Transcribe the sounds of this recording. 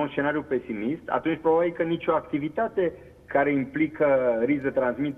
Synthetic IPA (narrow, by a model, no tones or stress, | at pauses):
unsʃt͡ʃe̞naɾijupe̞simist̪ʰa̰t̪unt͡ʃʲpɾobabilkənit͡ʃʲo̞ak̚t̪ivit̪at̪e̞ | kaɾe̞implikəɾisd̪et̪ɾansmit̪